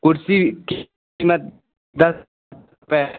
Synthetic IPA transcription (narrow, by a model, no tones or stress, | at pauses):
kʊɾsik | mət̪̚ | d̪ɐs | t̪ | pɛ